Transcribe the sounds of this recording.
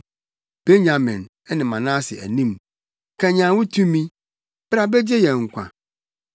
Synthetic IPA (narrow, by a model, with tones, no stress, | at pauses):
b̥e˦ɲã˨mɪ̃˨n | ɛ˦nɪ̃˨mã˨nã˦sɪ˨ʔæ̰˨nĩ˦m | kʰɛ̃˨ɲã˨wʊ˦tʰũ˦mĩ˦ | b̥ɾa˨be˦d͡ʑe˦jɛ˨ŋ̩˨kʷʰã̰˨